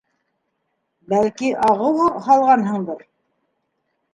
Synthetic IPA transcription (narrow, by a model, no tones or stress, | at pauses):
bælkiʔɑʁɤwɤhɑlˠʁɑnɦɤ̆ɴd̪ɤɾ